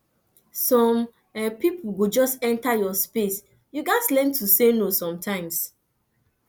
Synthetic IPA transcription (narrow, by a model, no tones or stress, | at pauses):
sɔ̃m | ɛpip̩ʰɡud͡ʒɔstɛ̃ntajɔspes | juɡaɪslɛ̃ntʰusenosɔ̃mtʰãɪ̃ms